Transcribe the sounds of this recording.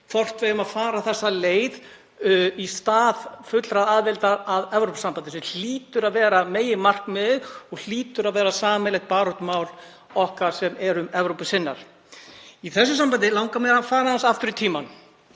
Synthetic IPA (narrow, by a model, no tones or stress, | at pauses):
fɔr̥t̪vejʏmaðfaːɾaθɛsːaleːjð | ist̪aːðfʏt̪lɾaðaːðvɪlt̪aaðɛvɾowpʏsampant̪ɪsɛml̥iːt̪ʏɾaðvɛːɾameːjɪmar̥knmɛðɔɣl̥iːt̪ʏɾaðvɛːɾasaːmɛlɛht̪̚paːɾoht̪maːwl | ɔhkaɾ̥sɛmɛɾʏmɛvɾowpʏsɪnːa̰ɾ̥ | iθɛsːʏsampant̪ɪlawŋkamɛɾafaːɾaðansaft̪ʏɾʏt̪ʰiːman